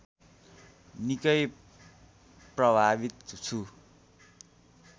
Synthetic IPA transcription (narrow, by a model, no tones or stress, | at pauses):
nikʌj | prʌbʱabit̪̚t͡sʰu